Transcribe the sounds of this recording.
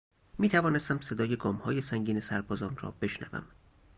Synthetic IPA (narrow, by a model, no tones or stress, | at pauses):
miːt̪ʰævɒːnest̪æmse̞d̪ɒːje̞ɡɒːmhɒːje̞sæŋɟiːne̞sæɾbɒːzɒːnrɒ̰ːbe̞ʃnæ̰væ̰m